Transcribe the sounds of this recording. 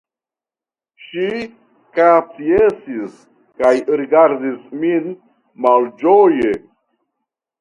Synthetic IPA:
ʃi | kat͡siesis | kajɾiɡaɾdismin | mald͡ʒoje

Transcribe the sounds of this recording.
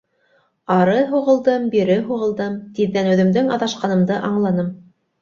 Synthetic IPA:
ɑɾɤɦuʁɤ̆lˠd̪ɤmbiɾɘɦuʁɤ̆lˠd̪ɤmt̪iðːænʉ̆ðɘ̆md̪ɘŋɑðɑʃqɑnɤ̆md̪ɤʔɑɴlˠɑnɤm

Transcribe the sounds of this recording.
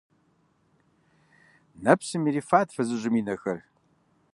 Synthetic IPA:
nɐpsɨmiɾiːfaːtfɐzɨʑʷʊmiːnɐxɐr

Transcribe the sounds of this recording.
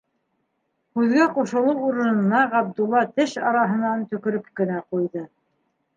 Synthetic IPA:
hʉðɡæquʃɤ̆lˠɤwuɾɤ̆nɤ̆nɑɑb̚d̪ulˠːɑt̪ɘʃɑɾɑɦɤ̆nɑnt̪ɵ̆kɵ̆ɾɵpkɘ̆næqujðɤ

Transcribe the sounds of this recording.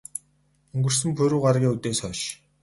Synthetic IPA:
ɵŋɡɵ̆r̥sɘ̆mpʰɵɾuːɢarɣʲiːŋut̪eːsœʃ

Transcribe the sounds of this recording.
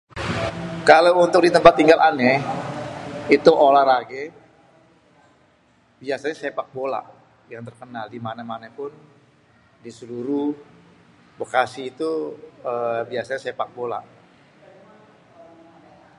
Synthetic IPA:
kalawunt̪ʊk̚dit̪əmpat̪ːiŋɡalʔanɛ | it̪uʔolaɾaɡɛ | biasaɲasepak̚bola̰ʔ | jaŋt̪ərkənaldimanamanapʊn | disəluɾu | bəkasiːt̪uəbiasaɲasepak̚bola̰ʔ

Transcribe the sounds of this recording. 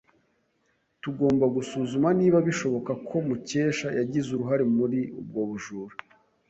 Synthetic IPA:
tuɡo̞ːmbaɡusuzumaniːβaβiʃo̞βo̞kakʰo̞muce̞ːʃajaɟizuɾuɦaɾemuɾiṵb̚ɡo̞ːβuʒuːɾu

